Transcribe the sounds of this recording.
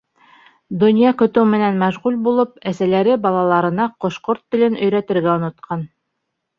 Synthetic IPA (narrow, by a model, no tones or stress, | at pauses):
d̪ŏnʲjɑkɵ̆t̪ɘwmɘ̆nænmæʒʁulbulˠɤpæsælæɾɘbɑlˠɑlˠɑɾɤ̆nɑqŏʃqoɾt̪ːɘ̆lɘnɵ̆jɾæt̪ɘ̆ɾɡæŏnŏt̪̚qʰɑn